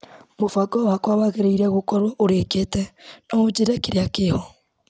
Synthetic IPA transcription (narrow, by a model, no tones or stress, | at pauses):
mofaɡɔwakwawaɣeɾeiɾɛɣokɔɾwɔʔoɾeketɛnɔod͡ʑeɾɛkeɾeakehɔ